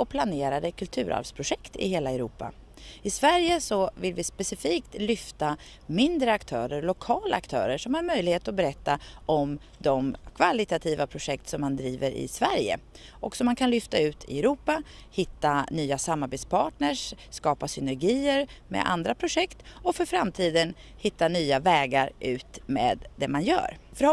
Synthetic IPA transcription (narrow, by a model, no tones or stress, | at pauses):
ɔpʰlaneːɾad̪əkʰɵlt̪ʰʉ̟ːɾa̰lvspʰɾʊɧɛkt̪ɪ̰heːlaɛɾuːpːa̰ | ɪsvæɾjəsɔvɪlvɪspɛsɪfiːkt̪lʏft̪a | mɪnd̪ɾəakt̪ʰœːɾəɾlʊkʰɑːlaːkt̪ʰœ̰ːɾəʂɔmhaɾmœjlɪheːt̪ɔbɛɾɛt̪ːaʔɔm | d̪ɔmkʰvalɪt̪at̪ʰiːvapʰɾʊʂɛk̚t̪sɔmːand̪ɾiːvəɾɪ̰svæɾjə̰ | ʔɔksɔmːankʰanlʏft̪aʉ̟ːt̪ʰɪ̰ɛɾuːpa | hɪt̪ːanyːasamːaɾbeːt̪spʰɑːʈɳəʂ | skɑːpasʏnɛɾɡiːəɾmɛ̰ʔa̰nd̪ɾapʰɾʊʂɛkt̪ɔfœɾfɾamt̪ʰiːd̪ən | hɪt̪ːanyːavɛːɡaɾʉ̟ːt̪mḛːd̪d̪ɛmanjœ̰ːɾfœɾ